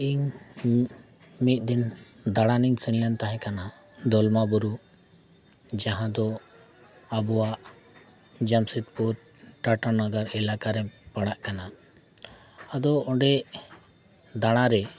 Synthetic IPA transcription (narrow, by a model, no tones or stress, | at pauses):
iɲ | mit̪̚ˀd̪in | d̪aɽaniŋsinlɛnt̪aɦɛ̃kana | d̪ɔlmabuɾu | d͡ʒaɦãd̪ɔ | abɔwaʔ | d͡ʒamsit̪̚puɾ | ʈaʈanaɡaɾɛlakaɾɛpaɽaʔkana | ad̪ɔɔɖɛʔ | d̪aɽ̃aɾɛ